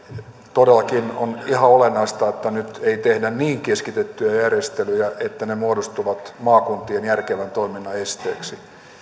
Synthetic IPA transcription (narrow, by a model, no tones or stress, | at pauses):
t̪odelːɑkino̰nihɑolenːɑist̪ɑet̪ːænyt̪eit̪ehdænniːŋkeskit̪et̪ːyjæjærjest̪elyjæʔet̪ːænemuodost̪uʋɑt̪mɑːkunt̪ienjærkeʋænt̪oiminːɑest̪ḛːksi